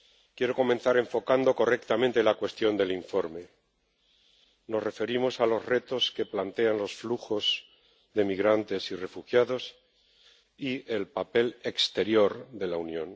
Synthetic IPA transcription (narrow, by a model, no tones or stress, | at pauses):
kje̞ɾo̞ko̞mẽ̞nθaɾe̞ɱfo̞kand̪o̞ko̞re̞kt̪amẽnt̪e̞lakwe̞st̪jo̞nd̪e̞liɱfo̞ɾme̞ | no̞sre̞fe̞ɾimo̞salo̞zre̞t̪o̞ske̞plant̪e̞anlo̞sfluxo̞z | ðe̞miɣɾant̪e̞sire̞fuxjaðo̞s | ielpape̞le̞kst̪e̞ɾjo̞ɾðe̞launjõ̞n